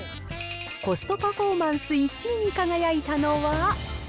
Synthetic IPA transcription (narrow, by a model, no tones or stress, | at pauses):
ko̞sɨ̥t̪o̞pafo̞ːmãɰ̃sɨit͡ɕiɲ̟ikaɡajait̪ano̞ːβa